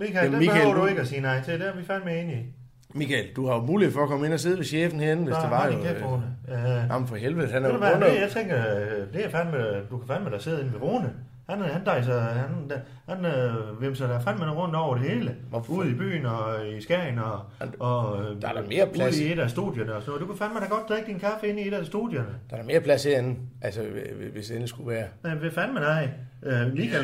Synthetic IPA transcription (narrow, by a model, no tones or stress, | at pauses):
mikʰɛdei̥ehø̰ɐd̥ue̝ɡ̥əæsiːnɑɪ̰t͡sʰe̝d̥eæɐʋifænmee̝ni | mikʰɛld̥uhɑjomuːlieðˠfɒ̽ɐkʰɒ̽me̝nɒs̬e̝ð̞ˠʋeɕḛːfn̩heenʋesd̥eɑieonəjæɑm̩fɒhelʋeð̩ˠhænɾuʋæjɑɪt͡sʰeŋɡ̥ɐd̥e̝æɐfænmed̥ukʰæfænmed̥ɑ̈ɪse̝ð̞̰ˠe̝nʋeʁoːnə | hænhænd̥ɑ̈ɪs̬ɑhæn̥ | hænøʋemsɑdæfænmenʁɔ̽n̰d̥ɒʊ̰ɐɾ̥e̝he̝ːləuð̰ˠib̥y̰ːnɒisɡ̥æɪnɒ | ɒd̥ɑdme̝ːɐpʰluðˠieɾ̥æsd̥ṵðˠjɐnəɒsɔnoːð̩ˠd̥ukʰæfænmed̥æ̈ɡɒ̽d̥sʰeeɡ̥̚d̥inkʰæfəe̝nieɾ̥æsd̥ṵðˠjɐnəd̥ɑɾ̥ɐme̝ːɐpʰlæseen̩ʔælsəʋe̝sen̩sɡ̥uʋæːɐnɑʋefænmedɑɪliːkʰæ